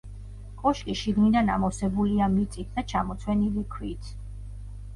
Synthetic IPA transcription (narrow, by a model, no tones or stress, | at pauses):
kʼɔʃkʼiʃiɡnid̪ana̰mɔsɛbuliamit̪sʼit̪̚ʰd̪at͡ʃʰamɔt̪sʰwɛnilikʰwit̪ʰ